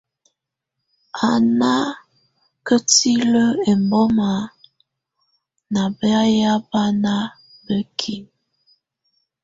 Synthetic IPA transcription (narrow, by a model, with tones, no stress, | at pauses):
a˨na˦ | kə˦ti˦lə˦e˨mbɔ˦ma˨˦ | na˨bə˦a˦ja˦ba˦na˦ | bə˦kʰi˨n